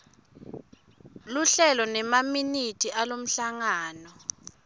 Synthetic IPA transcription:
luɬɛlɔnɛmaminitʰʼiʔalom̩ɬaŋaːnɔ

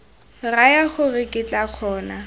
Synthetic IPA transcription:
rajaχʊrɪkʼɪt͡ɬʼak͡xʰɔːna

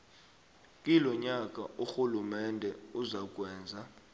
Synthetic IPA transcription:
kʼilɔɲak̬ʼaʔuxulumɛndʱɛuzak̬ʼwɛːnd͡zʱa

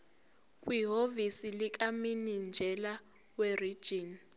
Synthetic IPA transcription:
kʼwiɦovisilik̬ʼaminind͡ʒʱɛla | werid̥ʒ̥ʱiːn

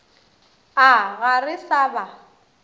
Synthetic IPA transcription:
aɣarɪsaːba

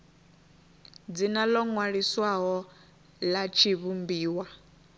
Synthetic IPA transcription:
d͡zinalɔŋwaɺiswaɦɔ | lat͡ʃʰiβumbiːwa

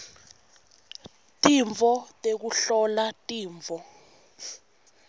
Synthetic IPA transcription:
tʼiɱvʱɔtʼek̬uɬɔlatʼiːɱvʱɔ

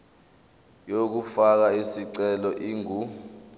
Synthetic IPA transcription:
jok̬ufak̬aisiǀɛlɔʔiːŋu

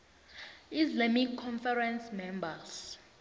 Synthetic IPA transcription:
islamikʰːɔnfɛrɛnsmɛmbas

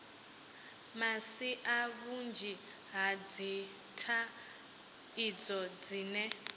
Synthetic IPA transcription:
masiʔaβund͡ʒʱi | ɦad͡zi | tʰa | id͡zɔd͡ziːnɛ

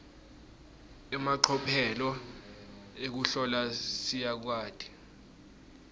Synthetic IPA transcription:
ɛmaǃʰɔpʰɛlɔ | ek̬uɬɔlasijak̬waːtʰʼi̥

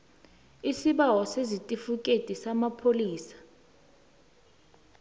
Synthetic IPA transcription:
isiɓawɔsezitʼifukʼetʼisamapʰoliːsḁ

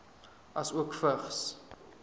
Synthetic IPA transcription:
ʔɐsuəkfəχs

